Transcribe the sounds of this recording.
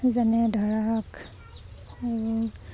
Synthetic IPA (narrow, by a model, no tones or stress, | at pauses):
zanɛdʱɔɹak | aɹu